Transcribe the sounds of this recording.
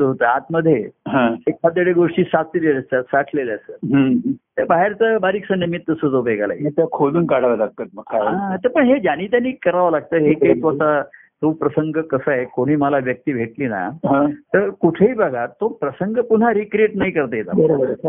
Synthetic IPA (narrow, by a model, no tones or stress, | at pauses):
t̪ɦot̪əat̪məd̪ʱːjeɦãekːad̪eɽeɡoʂʈiːsakʰilelsəsakʰleleəsəːɦt̪əbaɦeɾt͡səbaɾiksənimit̪ːəsət͡s̪obeɡala̰jit̪jakʰoluːnkaɽ̤aʋalaɡ̚t̪ət̪̚məkʰːaat̪əɾpəɳɦed͡ʑaniːt̪̬janːiːkəɾaʋalaɡ̚t̪əːɦeket̪ʋat̪a | t̪opɾəsəŋɡəkəsaekoɽ̃iːməlaʋjək̚t̪iːbʱeʈliːna̰ɦãt̪əɾkuʈʰeiːbʱəɡat̪ːopɾəsəŋɡəpun̤aɾikɾieʈnaikəɾt̪əjet̪a̰bəɾobəɾ